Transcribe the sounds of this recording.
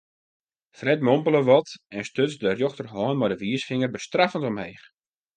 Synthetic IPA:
frɛtmɔmpəlˠəʋɔtɛnstøsdərjoxtərɦɔːnmɔdəʋiəsfɪŋərbəstrafəntɔmheːx

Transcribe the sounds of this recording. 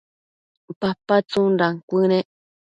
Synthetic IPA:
papat͡sunɾaŋkʷɨnẽʔ

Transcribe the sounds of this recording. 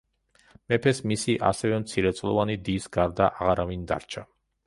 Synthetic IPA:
mɛpʰɛsmisiʔa̰sɛvɛmt̪sʰiɾɛt̪sʼlˠɔvanid̪iːsɡaɾd̪aʔaʁaɾavind̪a̰ɾt͡ʃʰa

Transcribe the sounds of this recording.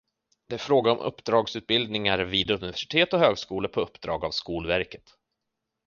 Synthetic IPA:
d̪ɛæɾfɾoːɡaɔmʔɵ̰pːd̪ɾɑːɡsʉːt̪̚bɪld̪nɪŋaɾviːd̪ɵnɪvæʂɪ̥t̪ʰeːt̪ɔɦøːɡskuːləpʰɔɵpːd̪̥ɾɑːɡavskuːlvæɾkə̥t̪

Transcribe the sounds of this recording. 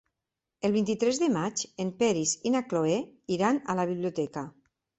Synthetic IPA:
elˠβint̪it̪ɾɛzðemat͡ʃempɛɾisinakloeiɾanalaβ̞iβliot̪ɛka

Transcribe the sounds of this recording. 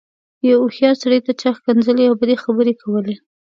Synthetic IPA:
jawʊxjɑɾsaɽəjt̪at͡ʃaxkanzəleawbad̪exabəɾekʰawəle

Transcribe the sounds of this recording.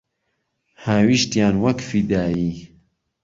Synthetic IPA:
haːwiʃt̪jaːnwɐkfid̪aːji

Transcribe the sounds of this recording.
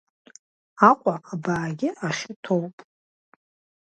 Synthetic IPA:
aqʷʼaʔabaːɡʲɪʔaʃɪtʰowpʼ

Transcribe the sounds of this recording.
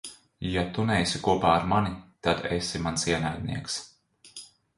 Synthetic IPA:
jat̪unɛjsʲikuɔpaːaɾmanit̪ad̪esimansiɛnajd̪̚niɛks

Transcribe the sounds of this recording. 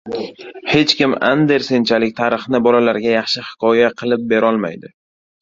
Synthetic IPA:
he̞t͡ʃkʲɪma̰nd̪e̞ɾsent͡ʃʰalɪk̚ʲt̪ʰaɾɨχnɪbɒlalaɾɡʲajɑχʃɪhɪ̥kʰɒjaqʰɨlˠɪp̚be̞ɾɒlˠma̰jd̪ɪ

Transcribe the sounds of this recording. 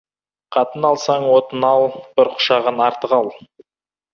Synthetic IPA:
qʰɑt̪ənɑlˠsɑɴwot̪ənɑlˠbʊɾqʊ̥ʃɑʁənɑɾt̪əqɑlˠ

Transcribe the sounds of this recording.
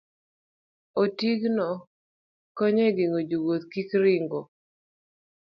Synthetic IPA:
otiɡnɔ | kɔɲɛɡiŋod͡ʒuɡot̪kikɾɪŋɡo

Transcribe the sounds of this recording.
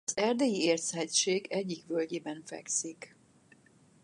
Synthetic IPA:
ɒzɛrd̪ejieːrsɛt͡ʃeːɡɛɟːikʋølɟeːbɛɱfɛ̰ksik

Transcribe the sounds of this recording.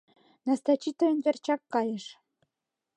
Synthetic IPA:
nɑst̪ɑt͡ɕit̪ŏənvʲert͡ɕɑkːɑjə̆ʃ

